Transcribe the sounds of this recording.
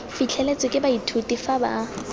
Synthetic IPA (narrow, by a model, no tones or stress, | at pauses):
fit͡ɬʰɛlet͡sʼɪkʼɪbaitʰutʼifaba̰ː